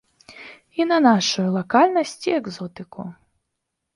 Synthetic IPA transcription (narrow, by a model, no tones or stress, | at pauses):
inɐnaʂujulˠɐkalʲnɐsʲt͡sʲiɛɡzɔt̪ɨku